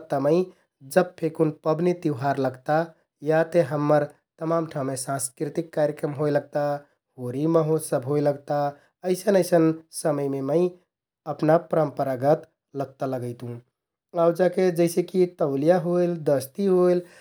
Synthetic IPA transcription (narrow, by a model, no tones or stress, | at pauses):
t̪əməɪ | d͡ʒəb̚pʰekunpəbnit̪iʊɦaɾləɡt̪a | jat̪eɦəmːəɾ | t̪əmamʈʰãmːesãnskɾit̪ikːaɾjəkɾəmɦojləɡ̚t̪a | hoɾiməɦosəbʱɦojləɡt̪a | əɪsənəɪsənsəməjmeməɪ | əpnapəɾəmpəɾaɡət̪ | ləɡ̚t̪aləɡəɪt̪ɦũ | awd͡ʒaked͡ʒəɪsekit̪əʊlijaɦojld̪əst̪iɦojl